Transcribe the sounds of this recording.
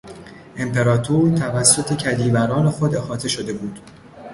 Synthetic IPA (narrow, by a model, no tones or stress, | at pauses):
ʔe̞mpʰe̞ɾɒːt̪ʰoɾt̪ʰævæsːo̞t̪ʰe̞cʰæd̪iːbæɾɒːne̞xo̞d̪e̞xɒːt̪ʰe̞ʃo̞d̪e̞buːd̪̥